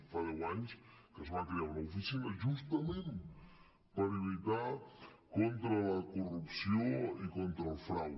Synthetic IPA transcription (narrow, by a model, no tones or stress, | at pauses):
fajawaɲskəzβakɾeaunɐufisinəʒust̪əmẽn | pəɾilit̪akont̪ɾələkurupsioikont̪ɾəlˠfɾaw